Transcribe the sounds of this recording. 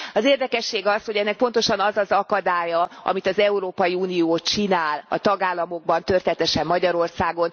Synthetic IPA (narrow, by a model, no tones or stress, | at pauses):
ɒzeːrd̪ɛkɛʃːeːɡɒshoɟɛnːɛk̚po̞n̪t̪o̞ʃɒnɒzɒzɒkɒd̪aːjɒʔɒ̰mit̪ɒzɛuɾoːpɒjiuːnijoːt͡ʃinaːlɒ̰t̪ɒɡaːlːɒmo̞ɡ̚bɒnt̪ørt̪ːt̪ɛʃɛmːɒɟɒɾo̞rsaːɡo̞n